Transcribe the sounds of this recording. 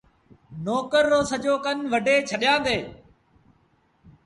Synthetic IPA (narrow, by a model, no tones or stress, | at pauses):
noːkəɾːoːsəd͡ʒoːkənʋəɖʱeːt͡ʃʰəɗjãːd̪eː